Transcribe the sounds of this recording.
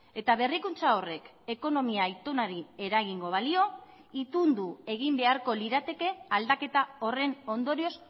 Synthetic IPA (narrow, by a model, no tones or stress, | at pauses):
e̞t̪aβ̞e̞rikunt͡sao̞re̞k | e̞ko̞no̞miaːjt̪o̞naɾie̞ɾaɣiŋɡo̞βalio̞ | it̪und̪ue̞ɣimbe̞aɾko̞liɾat̪e̞ke̞ald̪ake̞t̪ao̞re̞no̞nd̪o̞ɾio̞s